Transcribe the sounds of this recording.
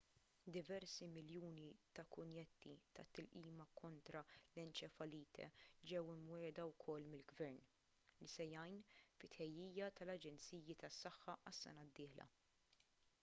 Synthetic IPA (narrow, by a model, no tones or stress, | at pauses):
d̪ɪvɛɾsimɪljuːnit̪ɐkʊnjɛt̪ʰːit̪ɐ̰t̪ːɪlʔiːmɐkʰɔnt̪ɾɐlɛnt͡ʃɛfɐliːt̪ʰɛ̰d͡ʒɛwɪmwɛːd̪ɐwkʰɔlːmɪlɡvɛɾn | lisɛjɐjnfɪt̪ħɛjːiːjɐt̪ɐlɐd͡ʒɛnt͡siːjit̪ɐsːɐħːɐʔɐsːɛ̰nɐd̪ːɪːħlɐ̰